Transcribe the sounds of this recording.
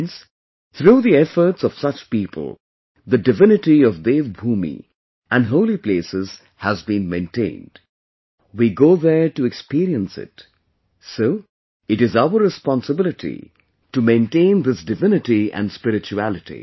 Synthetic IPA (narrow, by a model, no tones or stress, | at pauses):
ns | θɾuːðiɛfə˞tsʌv̥sʌt͡ʃpipʰə̰l̩ˠ | ðɨdɨvɪnɨʈiʌvðevbuːmḭ | ʔɨ̃nɦoʊliplesɨz̥ | həzbĩnmẽɪ̃ntʰẽɪ̃nd̥ | wiɡoʊðə˞tɨɛkspiɾiə̃nsɪ̰t | soʊ | ɨɾɨzaʊə˞ɹɨspɑ̃nsəbɪlɨtʰḭ | tɨmẽɪ̃ntẽɪ̃nd̪ɪsdɨvɪ̃nɨtiæ̰̃nspɪɾɨt͡ʃuælˠɨtḭ